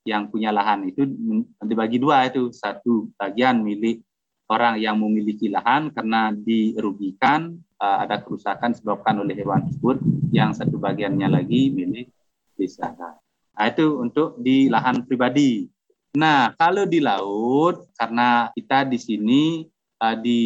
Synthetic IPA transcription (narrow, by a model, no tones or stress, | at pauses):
jaŋpuɲalaɦanit̪udibaɡiduait̪usat̪ubaɡianmilɪh | oɾaŋjaŋməmilikilaɦankarənadiɾuɡikan | əa̰dakəɾusakansəbap̚kanolɛhewant̪ɾsəbʊt̪̚jaŋsat̪ubaɡianɲalaɡimilɪh | besa̰ha̰ | ait̪uunt̪ʊk̚dilaɦanpɾibadi | nahkalodilaʊt̪̚karənakit̪adisini | ədi